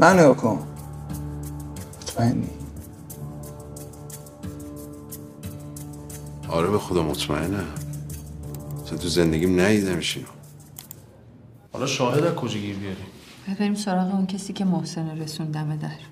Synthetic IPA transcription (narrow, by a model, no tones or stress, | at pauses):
mæneokʰom | mot̪ʰmæenːi | ɒ̰ɾebexod̪ɒmot̪ʰmæʔenæ | t͡ʃʰont̪ʰuzend̪eɡʲimnæid̪æmiʃino | hɒ̰lɒʃɒːɦed̪ækʰod͡ʒiɟiːɾbijɒɾim | b̥ebæɾiːmso̞ɾɒːɣeuncʰesiːcʰe̞mohse̞noɾesund̪æmed̪æɾ